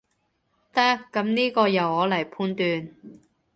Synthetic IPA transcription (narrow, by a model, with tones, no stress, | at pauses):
t̪a˥kːɐ˨˥mniː˥kɔː˧jɐ˨˩whɔː˨˥lɐ˨˩jpʰuː˧nt̪yː˧n